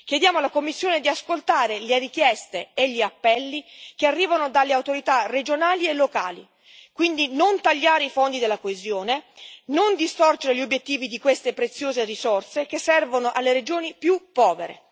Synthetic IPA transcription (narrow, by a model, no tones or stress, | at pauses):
kjed̪jaːmoalakomːisːjoːned̪iaskolt̪aːɾelerikjɛst̪eːʎːiapːɛlːikearːiːvanod̪alːeawt̪oɾit̪ared͡ʒonaːlielːoka̰ːli | kwind̪inont̪aʎːaːɾeifond̪id̪elakoezjoːnenond̪ist̪ɔrd͡ʒeɾeʎiobːjet̪ːiːvid̪ikwest̪epɾet̪sːjoːzerisorsekesːɛrvonoʔalːeɾed͡ʒoːnipjupːɔːveɾḛ